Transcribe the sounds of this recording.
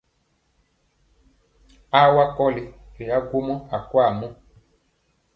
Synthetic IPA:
a˦wa˦kɔ˦li˨ɾe˨a˦ɡo˦mɔ˦a˨kwa˦˨mɔ̃˦

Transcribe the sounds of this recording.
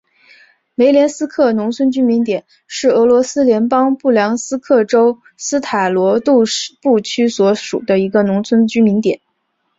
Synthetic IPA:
me˧˥ɪljɛ˧˥nsɹ̩˥kʰɤ˥˩nʊ˧˥ŋt͡sʰwə˥nt͡ɕy˥mi˧˥nt̪jɛ˨˩˦n | ʂɻ̩˥˩ɤ˧˥lwɔ˧˥sɹ̩˥ljɛ˧˥npɑ˥ŋpu˥˩ljɑ˧˥ŋsɹ̩˥kʰɤ˥˩ʈ͡ʂo˥ʊ | sɹ̩˥t̪ʰa˨˩ɪlwɔ˧˥t̪u˥˩˥pu˥˩t͡ɕʰy˥swɔ˧˥ʂṵ˨˩d̪ə˦i˧˥ɡə˧nʊ˧˥ŋt͡sʰwə˥nt͡ɕy˥mi˧˥nt̪jɛ̰˨˩˦n

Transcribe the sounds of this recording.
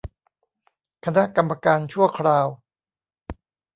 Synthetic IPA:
kʰa˧na˦˥ka˧mːa˧kaː˧nt͡ɕʰu˥˩ɐkʰɾaː˧w

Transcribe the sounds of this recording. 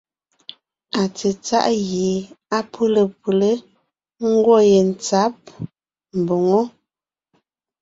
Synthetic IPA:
a˨t͡se˨t͡sa̰˦ʔɣe˨˦a˦pʰu˦lə˨pu˨le˦ | ŋ̩˦ɡwɔ˦˨je˨n̩˨t͡sa˦p̚ | m̩˨bo˨ŋo˦

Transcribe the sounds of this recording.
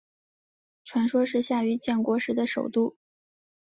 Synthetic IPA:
ʈ͡ʂʰwa˧˥nʂwɔ˥ʂɻ̩˥˧ɕja˥˩y˧˥t͡ɕjɛ˥˩nkwɔ˧˥ʂɻ̩˧˥d̪ə˧ʂo˨˩ʊt̪u˥˩

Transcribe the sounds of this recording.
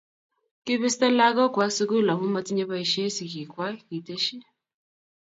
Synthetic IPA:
kɪ˦βɪ˦stɛ˦la˦kɔ˦kwa˨˦su˦ku˦la˨ɦu˦ma˦t͡si˦ɲɛ˦βa˦i˨ʃe˦si˨ki˨kwa˦ki˨te˦ʃi˦

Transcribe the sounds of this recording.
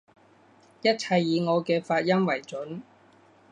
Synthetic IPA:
jɐ˥t̚t͡sʰɐ˧jːiː˨˧ŋɔː˨˧kɛː˧faː˧t̚jɐ˥mwɐ˨˩jt͡ʃɵ˨˥n

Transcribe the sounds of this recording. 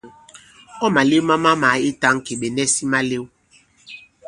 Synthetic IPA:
ɔ˦ma˨le˦wma˦ma˦ma˨˦i˦ta˦ŋ˦ke˨ɓe˨nɛ˦si˦ma˦le˦w

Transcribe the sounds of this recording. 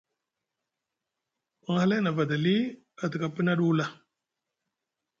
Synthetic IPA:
a˨ŋ˨ha˦la˦na˨va˨da˨li˦ | a˨ti˨ka˨pi˦na˦ɗu˦la˦

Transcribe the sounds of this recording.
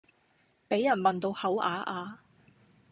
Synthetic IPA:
pe˨˥jɐ˨˩nmɐ˨˩nt̪o˧whɐ˨˥wʔa̰ː˨˧ʔaː˨˧

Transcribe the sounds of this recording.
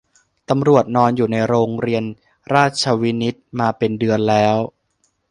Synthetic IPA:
t̪a˧mɾu˨˩ət̪̚nɔː˧njuː˨˩na˧jɾoː˧ŋɾi˧ən | ɾaː˥˩t̪̚t͡ɕʰa˧wi˦˥ni˦˥t̪̚maː˧pe˧ndɯ˧ənlɛː˦˥w

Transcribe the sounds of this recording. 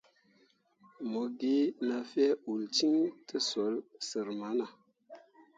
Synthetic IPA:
mo˨ɡe˦na˨fɛ˦u˨lt͡ʃi˦ŋtə˦so˨˦lsə˨ɾma˨˦na˨

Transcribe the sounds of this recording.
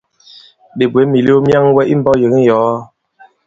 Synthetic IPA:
ɗe˨bwe˨˦mi˨li˦o˦mja˦ŋwɛ˦ʔi˦m̩˦bɔ˦jə˨˦ŋ˦jɔ˨˦

